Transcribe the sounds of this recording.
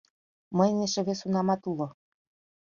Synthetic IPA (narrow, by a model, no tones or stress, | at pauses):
məjnʲeʃĕβesunɑmɑt̪ulo